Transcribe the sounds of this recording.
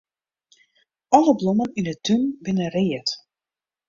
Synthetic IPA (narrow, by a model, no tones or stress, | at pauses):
ɔləbloməninətʰynbɪnərɪːət